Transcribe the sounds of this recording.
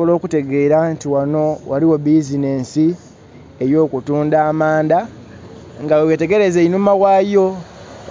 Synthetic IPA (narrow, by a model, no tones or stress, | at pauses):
olo̞ːkute̞ɡe̞ːɾantiwano̞waliwo̞bizine̞ːnsi | ejo̞ːkutuːndaːmaːnda | ŋɡawewete̞ɡe̞ɾe̞zeinumawaːjo̞